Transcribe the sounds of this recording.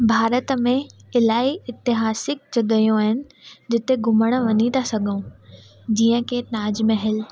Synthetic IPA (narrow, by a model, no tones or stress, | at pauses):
bʱaːɾət̪mẽɪlaːiɪt̪ɪɦaːsɪk̚t͡ɕɐɡɐjõaːɦɪnɪ̆d͡ʑɪt̪eɡʱʊməɽ̃ə̆ʋɐɲit̪ʰasɐɡʱõː | d͡ʑiːə̃kʰenaːd͡ʑmeɦɪl